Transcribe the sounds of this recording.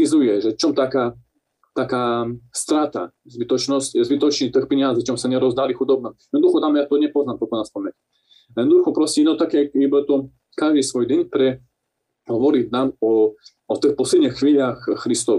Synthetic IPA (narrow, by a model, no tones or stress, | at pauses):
izujɛʒɛt͡ʃɔmt̪aka | t̪akaːst̪ɾat̪a̰zbit̪ɔt͡ʃnɔscɛzbit̪ɔt͡ʃnit̪əxpɛɲazit͡ʃɔmsaɲɛɾɔzd̪alixud̪ɔb̚nɔjɛd̪ɔd̪uxɔt̪amjat̪ɔɲɛpɔznamt̪ɔkɔnaspamɛt | jɛd̪ɔd̪uxɔpɾɔsʲinɔt̪akɛibat̪ɔ | kaʒd̪isʋɔjd̪ɛɲpɾɛ | ɦɔʋɔɾid̪namɔ | ɔt̪əxpɔslɛd̪ɲixːviːʎaxːɾist̪ɔ